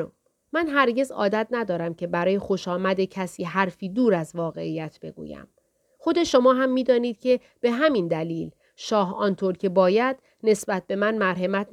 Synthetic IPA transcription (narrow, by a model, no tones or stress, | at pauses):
o | mænɦæɾɟe̞zɒ̰ːd̪æt̪̚næd̪ɒːɾæmcʰe̞bæɾɒːje̞xo̞ʃɒːmæd̪e̞cʰæsiːɦæɾfiːd̪uːɾæzvɒːɣe̞ijæt̪ʰb̥e̞̰ɡṵːjæ̰m | xo̞d̪e̞ʃo̞mɒːɦæmːiːd̪ɒːniːd̪̥̚cʰe̞ | b̥e̞ɦæmind̪æliːl | ʃɒːɦɒnt̪ʰoɾcʰe̞bɒːjæd̪̥ | ne̞sbæt̪̚ʰbe̞mænmæɾɦemæt̪̚